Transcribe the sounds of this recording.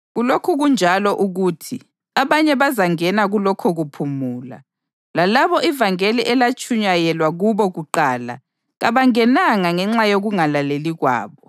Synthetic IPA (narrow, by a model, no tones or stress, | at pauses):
ɣulokʰuɣund͡ʒʱalɔʔuɣuːtʰi | aβaɲɛβazaŋɛnaɣulɔkʰɔɣupʰumuːla̰ | lalaβɔʔivaŋeliʔɛlat͡ʃʼʰuɲajɛlwaɣuβɔɣuǃaːla̰ | ɣaβaŋɛnaŋaŋɛŋ͡ǁajoɣuŋalaleliɣwa̰ːβɔ